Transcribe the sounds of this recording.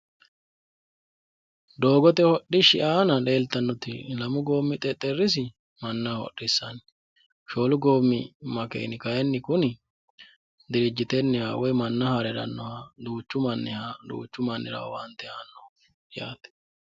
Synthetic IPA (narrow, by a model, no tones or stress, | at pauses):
d̪o̞ːɡɔt̪ɛhɔɗɪʃɪʔaːnɐle̞ːlt̪ːɐnːɔt̪ɪ̰lɐmʊɡo̞ːmːɪt̪ʼɛt̪ʼːɛrːɪs̬ɪ | mɐnːɐhɔ̰ɗɪsːɐn | ʃo̞ːlʊɡoːmːɪmɐkḛjnɪkɐjɛnːɪkʊnɪ | d̪ɪɾɪd͡ʒːɪt̪ɛnːɪhawɔjmɐnːɐhɐɾɛɾɐ̰nːɔhɐd̪uːt͡ʃːʊmɐnːɪhad̪ṵːt͡ʃːʊmɐnːɪ̰ɾɐ̰wwɐnt̪ːɛaːnːɔ | ja̰ːt̪ɛ̥